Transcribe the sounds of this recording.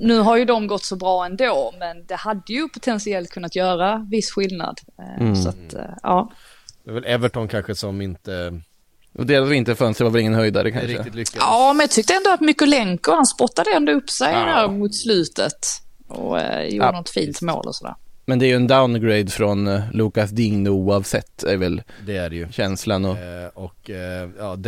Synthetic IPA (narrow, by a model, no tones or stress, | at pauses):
nʉ̟ːɦaɾjɵd̪ɔmɡɔt̪ːsɔbɾɑːɛnd̪oːmɛnd̪ɛhad̪ːəjɵpʰʊt̪ʰɛnsɪɛlt̪̚kʰɵnːat̪jœːɾavɪsːɧɪlna̰d̪sa̰t̪ʔɑːd̪̥ɛavɛlɛvəʈɔnkʰanɧəsɔmɪnt̪ə̰ | d̪eːɾasɔmɪnt̪əɾfœnst̪əvaɾvɛlɪŋːənhœjd̪aɾəkʰaɾɪt̪lʏɑːmɛnjɑt̪ʰʏk̚t̪əɛnd̪ʊat̪mʏkːəlɛŋkəhanspɔt̪ːad̪əɛnd̪ɔɵpːsɛjhæːɾmʊt̪slʉ̟ːt̪ət̪ɔ̰jṵːənɔt̪fḭːnt̪mo̰ːlʔɔ̰sɔd̪æ̰ːɾmɛnd̪ɛæɾjɵɛnd̪aʊnɡɾeɪd̪fɾɔnluːkasd̪ɪŋnuːavsɛt̪ːæɾvɛld̪ɛæɖɛjɵɕɛnslanɔɔkjɑːd̪